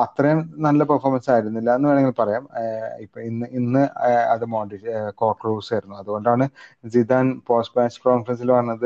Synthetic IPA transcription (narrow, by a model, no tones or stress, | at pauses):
ɐt̪rɐjumnɐlːɐpɐrformɐnsaːjiɾunːilːɐenːɨʋe̞ːɳeŋɡilpɐrɐjaːmipːoinːɨinːɨɐ̰ðɨmoːɖiko̞ːkːruːsajɾunːuɐðuɣo̞ɳɖaːɳɨzidaːnpo̞ːsʈmaːskoːnfɐrɐns̬ilʋɐrɐnːɐðɨ